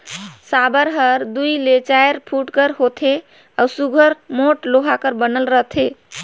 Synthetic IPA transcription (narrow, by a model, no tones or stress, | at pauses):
sabəɾɦəɾd̪ujlet͡ʃajɾpʰuʈkəɾɦot̪ʰe | ausuɡʱəɾmoʈloɦakəɾbənəlɾət̪ʰe